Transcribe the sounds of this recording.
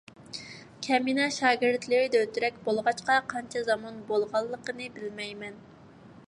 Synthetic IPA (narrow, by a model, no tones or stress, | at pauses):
kʲʰɛminɛʃɑːɡʲɪɾt̪lɪɾɪd̪ɛøt̪yɾɛkʲbolˠʁɑt͡ʃqɑqʰɑnt͡ʃʰɛzɑmɑnbolˠʁɑlˠːəqənɨbɪlmɛjmɛn